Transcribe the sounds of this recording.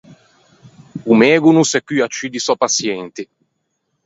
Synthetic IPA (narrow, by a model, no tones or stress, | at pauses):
umɛːɡunusɛkːyat͡ʃːid̪isɔpasjɛnt̪i